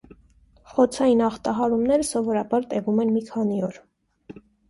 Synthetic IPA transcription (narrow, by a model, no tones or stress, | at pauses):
χɔt͡sʰɑjinɑχt̪ɑɦɑɾumnɛɾəsɔvɔɾɑbɑɾt̪ɛvumɛnmikʰɑniɔɾ